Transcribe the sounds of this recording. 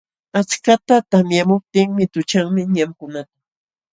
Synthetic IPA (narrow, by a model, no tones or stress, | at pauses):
at͡ʃkat̪at̪amjamʊp̚t̪ɪŋmɪt̪ʊt͡ʃaŋmɪɲamkʊnat̪ḁ